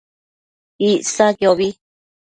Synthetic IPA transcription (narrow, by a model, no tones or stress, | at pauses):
isakeoβi